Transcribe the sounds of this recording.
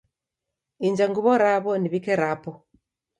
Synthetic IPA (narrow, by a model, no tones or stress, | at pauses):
iɲd͡ʒaŋɡuβɔɾaβɔniβikɛɾapɔ